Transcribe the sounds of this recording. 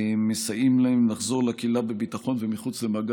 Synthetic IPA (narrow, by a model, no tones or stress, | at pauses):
mesajimlaemnaχzo̞ʁlakilabebit̪aχo̞nvemiχut͡slemaɡ